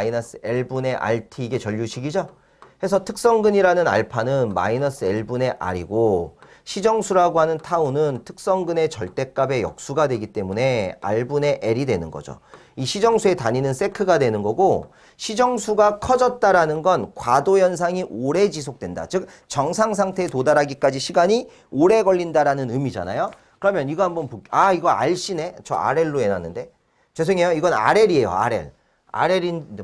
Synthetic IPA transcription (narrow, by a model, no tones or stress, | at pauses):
inʌs͈ɯeɭbune̞ʔa̰ɭtʰiːɡe̞t͡ɕʌʎːuɕʰiɡid͡ʑo | he̞sʰʌtʰɯk̚s͈ʌŋɡɯɲiɾanɯna̰ɭpʰanɯnma̰inʌs͈ʰɯeɭbune̞ʔa̰ɾḭɡo | ɕʰid͡ʑʌŋsʰuɾaɡoɦanɯntʰaunɯntʰɯ̥k̚s͈ʌŋɡɯne̞t͡ɕʌɭt͈e̞k͈abe̞jʌ̰k̚s͈uɡadwe̞ɡit͈e̞mune̞a̰ɭbune̞ʔeɾidwe̞nɯnɡʌ̰d͡ʑo̰ | iɕʰid͡ʑʌŋsʰue̞taɲinɯns͈e̞kʰɯɡadwenɯnɡʌɡo | ɕʰid͡ʑʌŋsʰuɡakʰʌd͡ʑʌt̚t͈aɾanɯnɡʌnkwadojʌns̬ʰaŋiʔoɾe̞d͡ʑis̬ʰok̚t͈we̞nda̰t͡ɕɯk̚ | t͡ɕʌŋsʰaŋsʰaŋtʰe̞todaɾaɡik͈ad͡ʑiɕʰiɡaɲi | oɾe̞ɡʌʎːindaɾanɯnɯmid͡ʑa̰na̰jo | kɯɾʌmjʌniɡʌɦambʌnpokaiɡʌa̰ɭɕ͈ine̞t͡ɕʌ̰a̰ɾe̞ɭːoe̞nanːɯnde̞ | t͡ɕesʰeŋe̞joiɡʌna̰ɾe̞ɾie̞jo̰a̰ɾe̞̰ɭ | a̰ɾe̞ɾin